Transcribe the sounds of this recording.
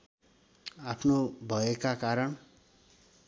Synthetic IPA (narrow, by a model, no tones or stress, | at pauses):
apʰnobʱʌekakaɾʌɳ